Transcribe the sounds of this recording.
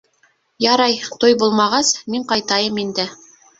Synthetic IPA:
jɑɾɑjt̪ojbulˠmɑʁɑsmiɴqɑjt̪ɑjɤmind̪ɘ

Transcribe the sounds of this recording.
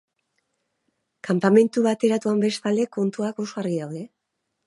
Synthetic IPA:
kampame̞nt̪uβat̪e̞ɾat̪uambe̞st̪ald̪e̞ko̞nt̪uako̞so̞ɣariðawðe̞

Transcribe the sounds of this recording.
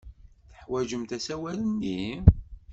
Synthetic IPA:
θə̥ħwæʒəmt̪æsæwælənːi

